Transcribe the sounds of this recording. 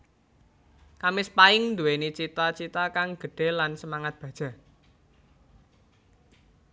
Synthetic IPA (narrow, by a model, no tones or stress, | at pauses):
kamɪspaɪŋnd̪uwenit͡ʃit̪at͡ʃit̪akaŋɡ̥ə̤ɖ̥e̤lansəmaŋat̪̚b̥ä̤d̥ʒ̥ä̤